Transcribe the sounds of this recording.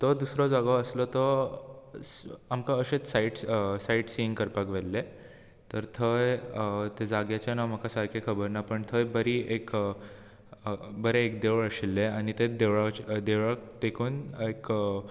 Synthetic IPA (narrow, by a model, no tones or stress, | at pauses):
t̪ɔd̪usɾɔd͡zaɡɔəslɔt̪ɔ | amkaəɕet͡ssaiʈsaiʈsiiŋɡkəɾpakʋelːe | t̪əɾt̪ʰəjt̪ed͡zaɡjat͡ɕjanam̤əkasaɾkʰekʰəbəɾnapəɳt̪ʰəjbəɾiek | bəɾeːkd̪eʋɭəɕilːeaɽ̃it̪ed̪eʋɭat͡ɕd̪eʋɭəkt̪ekʰuːnek